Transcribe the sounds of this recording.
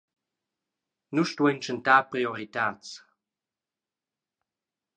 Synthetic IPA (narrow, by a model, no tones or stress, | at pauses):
nuʃt̪wɛnt͡ʃəntaːpʁioʁit̪aːt͡s